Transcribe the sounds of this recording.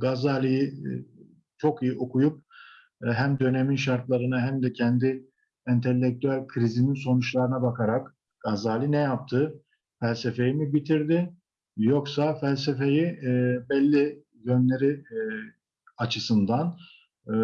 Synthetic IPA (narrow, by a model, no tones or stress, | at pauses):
ɡazalʲiji | t͡ʃʰo̞kijiʔo̞kujup̚ | ɦæmd̪ø̞ne̞minʃaɾt̪lˠaɾɯnaɦæmd̪ɛcʰɛnd̪ɪ | ɛnt̪ʰelʲːɛc̚t̪ʰyælʲkʰɾizininso̞nut͡ʃlˠaɾɯnabakʰaɾak | ɡ̥azaːlʲinɛjap̚t̪ʰɯ | fælʲsefe̞jimibit̪ʰiɾd̪ɪ | jo̞ksafælʲs̬efe̞jibɛlʲːi | jø̞nlʲe̞ɾi | at͡ʃʰɯsɯnd̪an